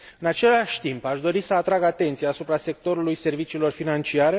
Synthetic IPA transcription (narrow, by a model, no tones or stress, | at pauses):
ɨnat͡ʃe̞laʃʲt̪impaʃd̪o̞ɾisəat̪ɾaɡat̪e̞nt̪sijaːsupɾase̞k̚t̪o̞ɾulujse̞rvit͡ʃiːlo̞rfinant͡ʃiaɾe̞